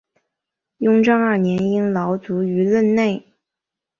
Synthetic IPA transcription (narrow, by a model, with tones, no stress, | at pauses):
jʊ˥ŋʈ͡ʂɑ˥ŋə˞˥˩njɛ˧˥ni˥ŋlɑ˧˥ʊt͡su˧˥y˧˥lə˥˧nne˥˩ɪ